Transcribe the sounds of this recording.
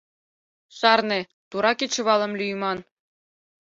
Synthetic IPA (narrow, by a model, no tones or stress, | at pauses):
ʃɑrne | t̪uɾɑkit͡ɕɤβɑlˠɤ̆mlʲyjmɑn